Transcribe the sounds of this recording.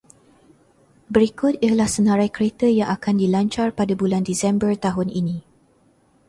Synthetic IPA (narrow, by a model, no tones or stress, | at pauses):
bəɾikʊt̪iəhlahsənə̃ɾajkəɾet̪əjaŋʔakandilaɲt͡ʃarpadabulandisɛmbərt̪aɦʊnḭnĩ